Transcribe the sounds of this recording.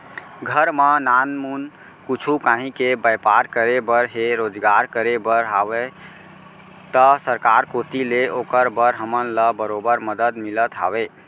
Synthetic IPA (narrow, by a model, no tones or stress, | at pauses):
ɡʱəɾmənanmun | kut͡ʃʰukãɦĩkebəjpaɾkəɾebəɾɦeɾod͡ʒɡaɾkəɾebəɾɦabe | t̪əsəɾkaɾkot̪ileʔokəɾbəɾɦəmənləbəɾobəɾməd̪əd̪milət̪ɦa̰be